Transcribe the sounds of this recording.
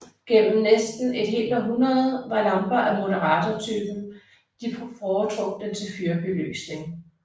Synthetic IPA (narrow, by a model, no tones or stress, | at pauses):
ɡ̥en̰m̩nesd̥n̩e̝d̥ɦe̝̰ːld̥æɦunɐð̩ˠʋɑ̈lɑ̈mb̥ɐʔæmo̝ɾɐʁɑ̈ːt͡sʰɒt͡sʰyːb̥n̩ | d̥iffɒːt͡sʰʁɔɡ̥̚d̥ent͡sʰe̝lfyɐb̥elø̰ːsne̝ŋ